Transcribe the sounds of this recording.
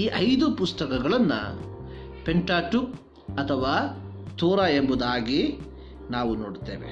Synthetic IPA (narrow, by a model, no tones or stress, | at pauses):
iːʔɐjd̪upust̪ɐkɐɡɐɭɐnːɐ̰ | peɳʈaːʈuk | ɐt̪ʰɐʋaː | t̪uːɾaembud̪aːɡi | naːʋunoːɖt̪ḛːʋḛ